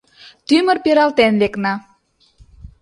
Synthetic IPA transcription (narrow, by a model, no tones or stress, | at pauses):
t̪ymə̆rpeɾɑlt̪enleknɑ